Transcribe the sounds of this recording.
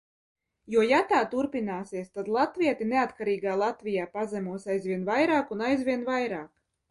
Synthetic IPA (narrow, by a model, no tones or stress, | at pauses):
juɔjat̪aːt̪uɾpʲinaːsiɛst̪ad̪lˠat̪vʲiɛt̪ineat̪kaɾiːɡaːlˠat̪vʲijaːpazɛmuɔsajzvʲiɛnvajɾaːkunajzvʲiɛnvajɾaːk